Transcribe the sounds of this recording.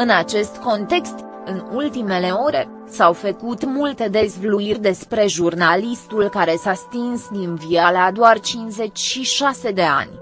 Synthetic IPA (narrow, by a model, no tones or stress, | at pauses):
ɨnat͡ʃe̞st̪ko̞nt̪e̞kst̪ | ɨnult̪ime̞leo̞ɾe̞ | sawfəkut̪mult̪e̞d̪e̞zvluirʲd̪e̞spɾe̞ʒurnalist̪ulkaɾe̞sast̪insd̪invialad̪oart͡ʃinze̞t͡ʃʲʃiʃase̞d̪e̞a̰nʲ